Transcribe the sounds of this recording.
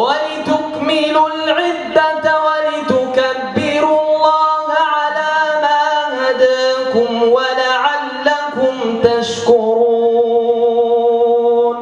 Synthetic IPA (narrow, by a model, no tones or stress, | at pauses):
walɪt̪ʊkmɪlʊlʕɪd̪ːat̪walɪt̪ʊkabːɪɾʊlˤːɑːhʕalaːmaːhad̪aːkʊmwalaʕalːakʊmt̪aʃkʊɾuː | n